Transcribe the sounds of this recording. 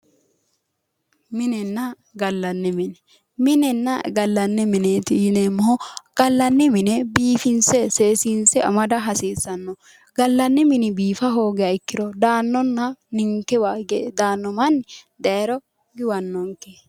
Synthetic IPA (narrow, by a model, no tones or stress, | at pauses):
mɪnɛnːɐ | ɡɐlːɐnːɛmɪnɛ | mɪnɛnːɐɡɐlːɐnːɛmɪneːt̪ɪjɪnemːɔhɔɡ̥ɐlːɐnːɛmɪnɛbiːfɪnsɛseːsinsɛɐ̰mɐd̪ɐɦɐsiːsɐnːɔ | ɡɐlːɐnːɛmɪnɪbiːfɐɦo̞ːɡɛɐɪkːɪɾɔd̪aːnːɔnːɐnɪŋkːɛwaːɡɛd̪aːnːɔmɐnːd̪ɛɛɾɔ | ɡɪwɐnːɔŋke